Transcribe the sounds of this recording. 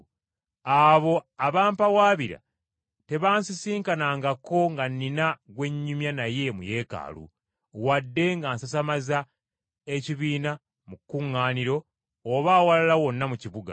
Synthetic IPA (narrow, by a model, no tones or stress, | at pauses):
aβo̞aβaːmpawaːβiɾa̰ | te̞βaːnsisiːŋkanaːŋɡako̞ŋɡanːinaɡwe̞ɲːumjanaje̞mṵje̞ːka̰ːlṵ | wadːe̞ŋɡaːnsas̬amaza | eciβiːna | mukːuŋːaːniɾo̞ː | βaːwalalawo̞nːamuciβuɡa̰